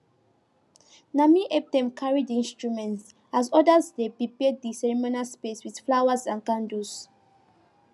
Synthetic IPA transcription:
namiʔɛp̚dɛ̃mkʰaɹidĩnstɹumɛ̃nts | azɔdazdepɹipɛd̚isɛɹimonaspeswið̥flawazãnkãndus

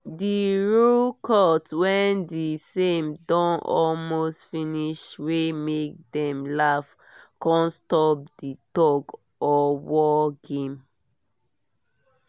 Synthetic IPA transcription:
diɹulkʰɔtwɛ̃ndisẽmdɔ̃nɔ̰lmostfĩniʃwemek̚dɛ̃mlaf | kɔ̃nstɔp̚ditɔɡ | ɔwɔɡẽm

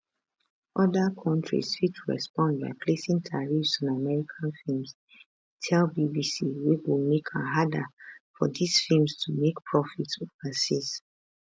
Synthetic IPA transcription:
ʔɔdakʰɔ̃ntʰɹḭswit͡ʃɹɛ̰spɔ̃ndba̰ɪpʰlesĩŋtʰaɹifsɔ̃namɛɹikʰãnfilms | tʰɛlbibisiwiwimekʰãɦadafɔdisfilmstʰumekpʰɹɔfitsovasis

